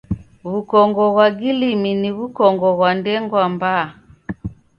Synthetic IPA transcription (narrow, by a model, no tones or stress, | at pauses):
βukɔŋɡɔɣwaɡiliminiβukɔŋɡɔɣwandɛŋɡwamba